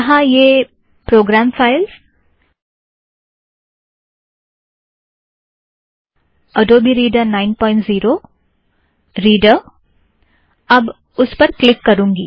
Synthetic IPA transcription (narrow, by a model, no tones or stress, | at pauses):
ɐɦãjeː | pɾoːɡɾaːmfaːɪlz | ɐɖoːbʱiɾiːɖəɾnaːɪnpɔːɪ̃ɳʈziːɾoː | ɾiːɖə | ɐb | ʊspɐɾklɪkːɐɾũːŋɡiː